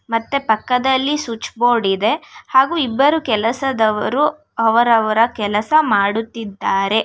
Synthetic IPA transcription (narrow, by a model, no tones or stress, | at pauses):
mɐt̪ːepɐkːɐd̪ɐlːisut͡ʃboːɽid̪e̞haːɡuːibːɐɾukɛlɐsɐd̪ɐʋɐɾu | ɐʋɐɾɐʋɐɾɐkɛlɐsɐmaːɽut̪ːid̪ːaːɾe̞